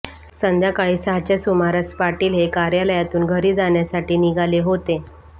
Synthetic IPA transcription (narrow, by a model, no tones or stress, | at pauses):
sənd̪ʱjakaɭiːsəɦat͡ɕasumaɾaspaɾʈiːlɦekaɾjaləjat̪uːnɡʱəɾiːd͡zaɳjasaʈiːniɡʱaleɦot̪e